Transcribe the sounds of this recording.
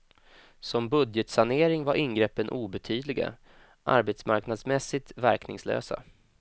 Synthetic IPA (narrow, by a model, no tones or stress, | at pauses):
sɔmbɵd̪jɛt̪saneːɾɪŋvaɾʔɪnɡɾɛpːənʔuːbɛt̪ʰyːd̪lɪɡa̰ | ʔa̰ɾbɛt̪smaɾknad̪smɛsːɪt̪væɾknɪŋslø̰ːsa̰